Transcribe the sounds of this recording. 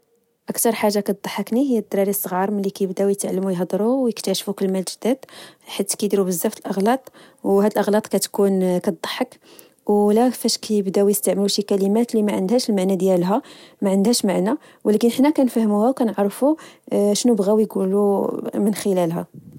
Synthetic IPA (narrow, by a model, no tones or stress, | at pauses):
ʔəkt̪ɑɾˤħaʒːakæd̪ˤɑħəkniɦəjːæd̪ːɾˤɑɾisˤːəɣɑɾˤməlːikæjəbd̪æwjət̪ʕlːmujɦd̪ˤɾˤuwjəkt̪æʃfukəlmælʒəd̪æd̪ħat̪ːkæjd̪iɾubəzːæft̪əlʔɑɣlɑt̪ˤ | whæd̪əlʔəɣlɑt̪ˤkæt̪kunkæt̪̚d̪ˤːə̥ħːək | wlækəfæʃkæjəbd̪æwjəst̪aʕməluʃikælimæt̪limæʕənd̪hæʃəlmaʕnæd̪jælɦæmæʕənd̪hæʃmaʕnæ | wlækənʔəħnækænfæhmuhæwkænəʕɾˤfuʃnubɣæwjɡulumənxəlælɦæ̰